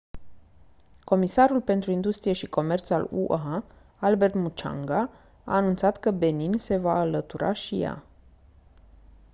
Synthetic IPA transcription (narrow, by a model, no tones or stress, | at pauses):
ko̞misaɾulpe̞nt̪ɾuind̪ust̪ɾijeʃiko̞me̞rt̪salṵʔa | albe̞rt̪mut͡ʃa̰ŋɡa | a̰ːnunt̪sat̪kəbe̞ninse̞vaːlət̪uɾʔa̰ʃija̰